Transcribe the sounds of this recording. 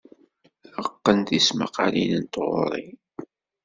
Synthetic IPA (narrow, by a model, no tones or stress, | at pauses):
əqːənt̪ismə̰qalinənt̪ʁʊ̰ɾˤi